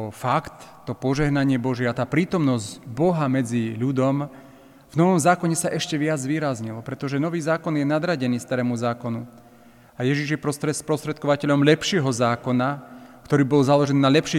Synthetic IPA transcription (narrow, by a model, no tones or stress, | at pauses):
ɔfakt̪ːɔpɔʒɛɦnaɲɪɛbɔʒɪɛat̪aːpɾiːt̪ɔmnɔzɟbɔɦamɛd͡ziʎud̪ɔm | vnɔʋɔmzaːkɔɲɛsaʔɛʃcɛʋɪad͡zzʋiːɾazɲilɔpɾɛt̪ɔʒɛnɔʋiːzaːkɔnjɛnad̪ɾaɟɛniːst̪aɾɛːmuzaːkɔnu | ajɛʒiʒjɛpɾɔst̪ɾɛspɾɔst̪ɾɛt̪̚kɔʋacɛʎɔmʎɛpʃɪɛɦɔzaːkɔnakt̪ɔɾiːbɔlzalɔʒɛniːnaʎɛpʃi